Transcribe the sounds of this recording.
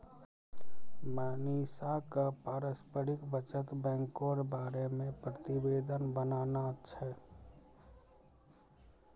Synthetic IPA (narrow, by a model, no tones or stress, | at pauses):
manisakəpaɾəspəɾikbət͡ʃət̪bɛ̃ŋkoɾbaɾemẽpɾət̪ibeːd̪ʱənbənaːnat͡ʃʰɛ